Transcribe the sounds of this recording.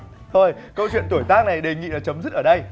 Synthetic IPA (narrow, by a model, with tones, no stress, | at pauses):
t̪ʰo˧jkə˧wt͡ɕwḭ˧˨ənt̪u˧˩əjt̪aː˦˥k̚na˨˩jɗe˨˩ŋḭ˧˨laː˨˩t͡ɕə˨˦mzɨ˦˥t̚ʔəː˧˩ɗə˧j